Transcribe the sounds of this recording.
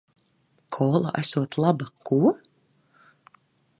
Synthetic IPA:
kʰɔːlˠa̰ʔæsuɔt̪lˠabakuɔ

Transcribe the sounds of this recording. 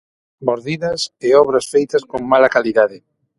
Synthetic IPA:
moɾðiðɐsɪɔβɾɐsfejt̪ɐskoŋmalakaliðaðɪ

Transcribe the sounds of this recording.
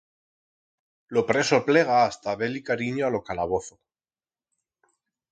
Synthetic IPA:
lopɾe̞sople̞ɣ̞aːst̪aβe̞likaɾiɲoalo̞kalaβ̞oθo

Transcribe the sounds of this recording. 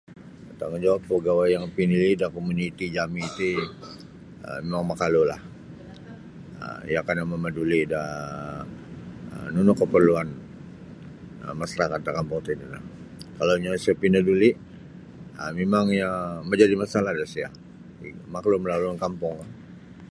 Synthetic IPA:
t̪aŋad͡ʒawapːəɡawajaŋpinilidakomunit̪id͡ʒamiːt̪i | ə̰memaŋmakalola̰h | ə̰ijakanamamədulida | ə̰nunʊkːəpərluan | ə̰masaɾakat̪̚d̪akampɔŋt̪uidula̰ | kalaɲasiapinəduliʔ | əmemaŋjaməɲd͡ʒadimasalahdasia̰ | makloməlaluankampɔŋkan

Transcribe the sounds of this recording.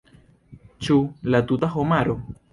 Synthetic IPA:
t͡ʃulat̪ut̪axomaɾo

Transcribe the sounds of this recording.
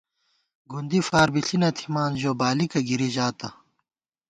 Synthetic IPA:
ɡund̪ifaːɾbiɬinɐt̪ʰimaːnʑoːbaːlikɐɡiɾiʑaːt̪ɐ

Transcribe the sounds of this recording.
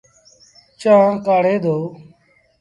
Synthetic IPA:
t͡ʃãːkaːɽeːd̪oː

